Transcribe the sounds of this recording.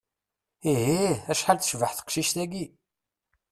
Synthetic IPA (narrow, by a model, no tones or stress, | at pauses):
iɦiæʃħalθʃvəħθə̥qʃiʃt̪æɡi